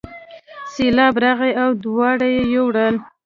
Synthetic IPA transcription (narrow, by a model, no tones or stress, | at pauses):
selɑbɾaɣaawd̪wɑɽajejowɽəl